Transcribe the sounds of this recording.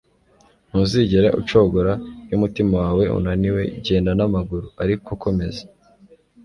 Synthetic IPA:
nuːnziɟeɾaʔṵt͡ʃoɡoɾajumutimawaːwe̞ṵnaniwe̞̰ɟe̞ːndanamaɡuɾuaɾikokʰo̞me̞zḁ

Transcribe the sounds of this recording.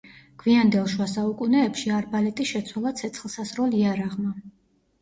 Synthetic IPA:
ɡ̥viand̪ɛlˠʃwasaukʼunɛːpʃiaɾbalɛt̪ʼiʃɛt̪sʰwalˠat̪sʰɛt̪sʰχlˠsasɾɔliaɾaʁma

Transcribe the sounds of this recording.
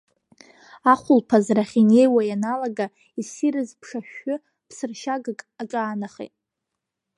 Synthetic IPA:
aχʷʊlpʰazraχʲine̞jwajanalaɡa | isirɨzpʰʂaʃᶣːʊ | pʰsɨrʃaɡɨkʼaʈ͡ʂʼaːnaχḛtʼ

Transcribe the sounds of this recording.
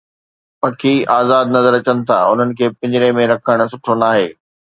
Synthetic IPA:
pɐkʰiaːzaːd̪nɐzəɾɐt͡ɕənɪ̆t̪ʰa̰ːʊ̰n̤ənɪ̆kʰeːpɐ̃ɲd͡ʑɪɾemẽɾɐkʰəɽ̃̆s̬ʊʈʰonaːɦeː

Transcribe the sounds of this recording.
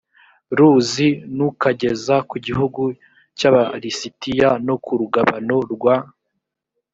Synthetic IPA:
ɾuzinukaɟe̞zakuɟiɦuɡu | caβaɾisitijano̞kuɾuɡaβano̞ɾɡwa

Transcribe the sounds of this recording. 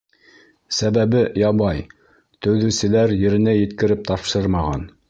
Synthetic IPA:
sæβæβɘjɑβɑj | t̪ɵ̆wðɘ̆sɘ̆læɾjɘ̆ɾɘ̆nɘjɘ̆t̪kɘ̆ɾɘp̚t̪ɑpʃɤɾmɑʁɑn

